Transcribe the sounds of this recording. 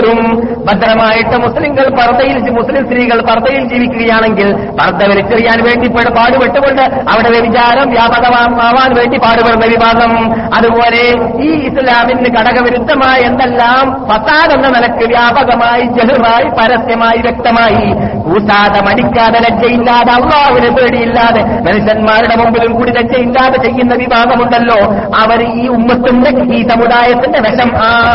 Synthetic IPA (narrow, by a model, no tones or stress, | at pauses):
ɾumbɐd̪ɾɐmaːjiʈːɨmuslimɡɐɭpɐrd̪ɐjild͡ʑmuslimst̪ɾiːɣɐɭpɐrd̪ɐjild͡ʑiːʋikʲːuɣɐjaːɳe̞ŋɡil | pɐrd̪ːɐʋɐɾit͡ɕːɐrijaːnʋe̞ːɳɖipːeɽpaːɽupeʈːuɣo̞ɳɖɨ | ɐʋiɽeʋjeʋit͡ɕaːɾɐmʋjaːbɐɣɐmaːmaːʋaːnʋe̞ːɳɖipaːɽuperʋjɐʋibaːɡɐm | ɐðubo̞ːle̞ | iːislaːminːɨkɐɽɐɣɐʋiɾud̪ʱːɐmaːjend̪elːaːmpɐsaːðɐnːɐnɐlɐkːɨʋjaːbɐɣɐmaːjid͡ʑɐluraːjipɐɾɐsjɐmaːjiʋjek̚t̪ɐmaːji | uːsaːðɐmɐɽikʲːaːðɐlɐɡjɐjilːaːðeɐlːaːɦunepeːɽijilːaːðe | mɐnuʂjɐnmaːɾuɽemumbilumkuːɽilɐɡjɐjilːaːðet͡ɕe̞jːunːɐʋibʱaːɡɐmuɳɖɐlːo̞ː | ɐʋɐɾiːumːɐt̪ːundeiːsɐmuðaːjɐt̪ːinde̞ʋeʂɐmaː